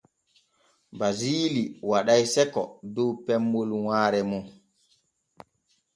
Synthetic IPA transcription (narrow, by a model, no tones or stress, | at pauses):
baziːliwaɗajsɛkɔ̰dɔwpɛmbolwaːɾɛmɔ